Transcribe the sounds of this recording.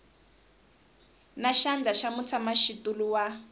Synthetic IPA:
naʃand͡ɮaʃamut͡sʰamaʃitʼuluwa

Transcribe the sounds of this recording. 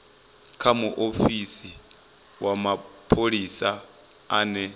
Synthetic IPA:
kʰamuʔofisi | wʔamapʰoɺisa | aːnɛ

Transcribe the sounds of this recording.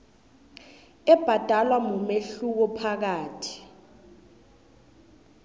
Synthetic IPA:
ɛb̥ʱad̥ʱalwamumeɬuk̬ɔpʰak̬aːtʰi̥

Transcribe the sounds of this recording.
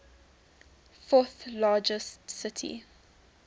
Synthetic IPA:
fɔθlɑːd͡ʒəstsɪtʰḭ

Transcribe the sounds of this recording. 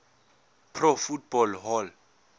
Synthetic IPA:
pʰrɔfut̚bɔlɦɔl

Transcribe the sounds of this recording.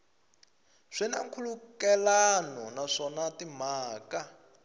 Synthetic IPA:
ʂinaŋkʰulukɛlanɔnaʂɔnatim̤aːka

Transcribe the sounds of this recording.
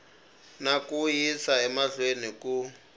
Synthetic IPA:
nakujisaɛmaɮweniku

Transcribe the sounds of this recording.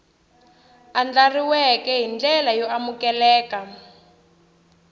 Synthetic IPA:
and͡ɮariwɛkɛɦind͡ɮɛlajɔamukɛlɛːka

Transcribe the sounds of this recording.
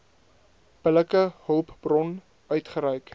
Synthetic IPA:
pələkəhəlˠpb̥rɔn | œɥtχəɾɛɥk

